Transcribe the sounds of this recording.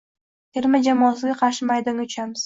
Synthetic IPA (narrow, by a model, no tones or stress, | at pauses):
t̪ʰeɾmad͡ʒamɒːsɪɡʲaqʰɑɾʃɪmajd̪anʊt͡ʃʰamɪz̥